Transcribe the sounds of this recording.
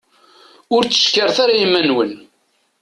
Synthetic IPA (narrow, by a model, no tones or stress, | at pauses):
ʊɾt͡sːə̥ʃkəɾθaɾaimænwən